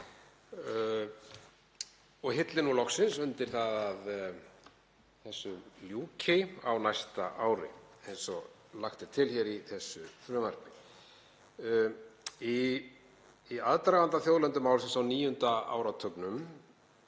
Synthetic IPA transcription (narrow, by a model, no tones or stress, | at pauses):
ɔɣɦɪt̪lɪnulɔxsɪnsʏnt̪ɪɾ̥θaðað | θɛsːʏmljuːcʰɪa̰wnajst̪a̰ʔaːwɾɪ̰ejnsɔɣ | laxt̪ɪt̪ʰɪlçɛɾiθɛsːʏfɾœːmar̥kɪ | i | iaðt̪ɾavant̪aθjowðlɛnt̪ʏmaːwlsɪnsawniːjʏnt̪aa̰ːwɾat̪ʰœknʏm